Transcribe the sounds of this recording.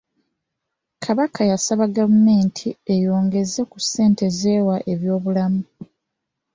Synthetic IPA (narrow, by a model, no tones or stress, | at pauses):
kʰaβakajasaβaɡavume̞ːntʰie̞jo̞ːŋɡe̞zekuse̞ːnte̞zewaʔe̞βjo̞ːβulamu